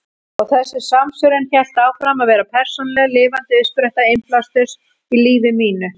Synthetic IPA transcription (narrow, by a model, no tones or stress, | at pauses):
ɔɣθɛsːɪ̥samsʏɾɛnçɛl̥t̪aːwfɾamaðvɛːɾapʰɛr̥sɔnlɛɣlɪːvant̪ɪʏspɾɛht̪aɪmplast̪ʏ̥s | iliːvɪmiːnʏ